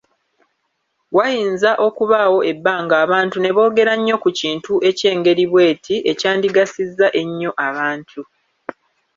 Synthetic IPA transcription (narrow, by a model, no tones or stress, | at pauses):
wajiːnzaʔo̞kuβawo̞ʔe̞bːaːŋɡaːβaːntune̞βo̞ːɡe̞ɾaɲːo̞kuciːntuʔe̞ce̞ːŋɡe̞ɾiβwe̞ːtʰiʔe̞caːndiɡasizːaʔe̞ɲːo̞ʔaβaːntʰu